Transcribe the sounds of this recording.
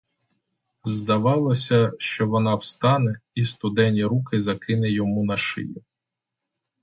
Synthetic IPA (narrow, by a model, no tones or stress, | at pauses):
zd̪ɐʋɑlˠɔsʲɐʃt͡ʃɔʋɔnɑwst̪ɑnɛist̪ʊd̪ɛnʲiɾukɪzɐkɪnɛjɔmunɐʃɪ̰jʊ